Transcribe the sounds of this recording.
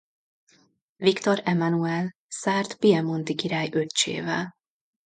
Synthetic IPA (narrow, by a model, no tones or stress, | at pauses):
vikt̪oɾɛmanuɛl | saːrt̪piɛmo̞nt̪ikiɾaːjø̞t̪t͡ʃḛːvɛ̰l